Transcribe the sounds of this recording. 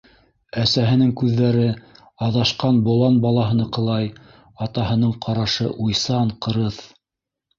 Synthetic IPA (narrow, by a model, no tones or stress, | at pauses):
æsæɦɘ̆nɘŋkʉðːæɾɘ | ɑðɑʃqɑnbŏlˠɑnbɑlˠɑɦɤ̆nɤqɤ̆lˠɑj | ɑt̪ɑhɤ̆nɤɴqʰɑɾɑʃɤʔujsɑɴqɤ̆ɾɤθ